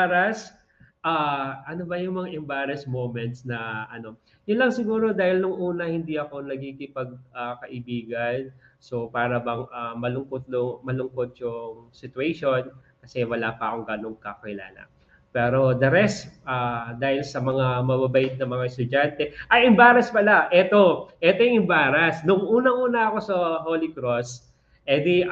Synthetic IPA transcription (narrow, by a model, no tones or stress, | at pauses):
aɾɐs | ʔaːʔɐno̞bɐjʊŋmɐŋaʔɛmbaːɾɐsmowmɛnt̪̚snɐʔɐno̞ | jʊnlɐŋsɪɡuːɾo̞d̪aːhɪlnʊŋʔuːnɐhɪnd̪iʔɐko̞nɐɡikɪpɐɡ̚akɐʔɪbiːɡɐn | so̞paːɾɐbɐŋʔamɐlʊŋkot̪̚nʊŋmɐlʊŋko̞t̪̚jʊŋsɪt̪ʊeʃo̞nkɐsɛwɐlaːpɐʔɐko̞ŋɡano̞ŋkɐkɐkɪla̰ːlɐ̰ | pɛːɾo̞d̪ɐɾɛst̪ʔaːd̪aːhɪlsɐmɐŋamɐbabɐʔɪt̪̚nɐmɐŋaɛst̪ʊd͡ʒant̪ɛʔɐjɪmbaːɾɐspɐlaʔɛt̪o̞ʔɛt̪ojʊŋɪmbaːɾɐsnʊŋʔuːnɐŋʔuːnɐɐko̞sɐɦolɪkɾos | ʔɛd̪i